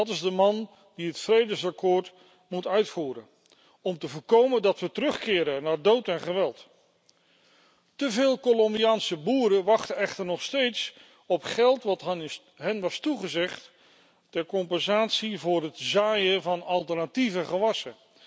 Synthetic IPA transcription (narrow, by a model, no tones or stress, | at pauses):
ɑtɪzdəmɑn | diɦətfrejdəsakoːɹt | mutœɥtfuːɾə̰ | ɔmtəvʊːɹkowməndɑtʋətərɵχkɪːɾənaːɹdowtɛnχəʋɛlˠt | təvɪːlˠkolɔmbiaːnsəbuːɾəʋɑχtəɛχtəɹnɔχstejts | ɔpχɛlˠtʋɑt | ɦɛnʋɑstuχəzɛχtː | ɛɹkɔmpɛnzaːtsivʊːrɦətzaːjəvɑnɑlˠtəɹnativəχəʋɑsə